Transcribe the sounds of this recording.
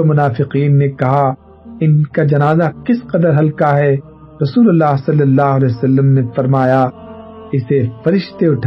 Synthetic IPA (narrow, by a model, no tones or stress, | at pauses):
mʊnaːfɪqiːnːekɐɦa | ɪnkad͡ʒɐnaːzakɪsqɐd̪əɾɦɐlkaɦɛ | ɾɐsuːlɐlːaːɦsɐlːəlːaːɦʊɐlɛːjsɐlːəmnefɐɾmaːja | ɪsefɐɾɪʃt̪eʊʈʰ